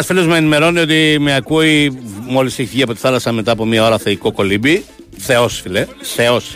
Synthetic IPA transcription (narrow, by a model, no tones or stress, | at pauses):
sfilozmeenime̞ɾo̞niot̪imeɐkuimo̞liseççiɐpo̞t̪i̥θɐlɐsɐme̞t̪ɐːpo̞mɲɐo̞ɾɐθeiko̞ko̞libi | θe̞o̞sfileθeo̞s